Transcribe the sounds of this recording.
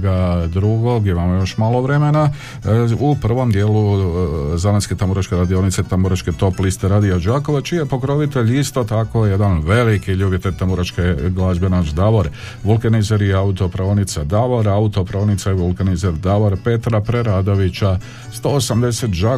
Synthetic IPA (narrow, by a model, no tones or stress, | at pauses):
ɡad̪ɾuɡo̞ɡimamojo̞ʃmaːlˠo̞ʋɾe̞me̞na | upr̩ʋo̞md̪je̞ːlu | zalanske̞t̪amboɾat͡ʃke̞ɾad̪io̞nit̪se̞t̪amboɾat͡ʃke̞t̪o̞plist̪eɾaːd̪iad͡ʒaːko̞ʋat͡ʃijepo̞kɾo̞ʋit̪e̞ʎist̪o̞t̪ako̞je̞d̪anʋe̞likiʎubjet̪eʎʲt̪amboɾat͡ʃkeɡlˠaːzbenat͡ʃd̪aʋoɾ | ʋulˠkenizeɾiaut̪o̞pɾaʋonit̪sad̪aʋoɾaut̪o̞pɾaʋonit̪saiʋulˠkanizeɾd̪aʋoɾpe̞t̪ɾapɾe̞ɾad̪o̞ʋit͡ɕa | st̪o̞ːsamd̪e̞se̞t̪d͡ʒa